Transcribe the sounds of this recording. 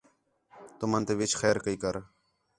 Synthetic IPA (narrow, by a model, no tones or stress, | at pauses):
t̪ʊmə̃ːnt̪eːʋɪt͡ʃʰxɛːɾkəiːkəɾ